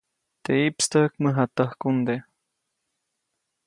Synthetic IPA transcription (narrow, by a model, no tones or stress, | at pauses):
t̪eipst̪əkməɦat̪əhkund̪e